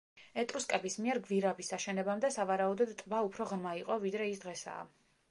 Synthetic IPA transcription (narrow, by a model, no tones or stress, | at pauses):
ɛt̪ʼɾuskʼɛbismiɛɾɡviɾabisaʃɛnɛbamd̪ɛsavaɾaɔd̪ɔd̪t̪ʼbaupʰɾɔʁɾmaiqʼɔvid̪ɾɛisd̪ʁɛsa̰ː